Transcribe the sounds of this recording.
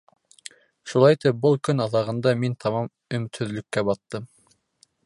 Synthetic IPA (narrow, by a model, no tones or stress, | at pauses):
ʃulˠɑjt̪ɘp̚bɤlˠkɵnɑðɑʁɤ̆nd̪ɑmint̪ʰɑmɑm | ɵ̆mɘ̆t̪hɵ̆ðlɵ̆kːæbɑt̪ːɤm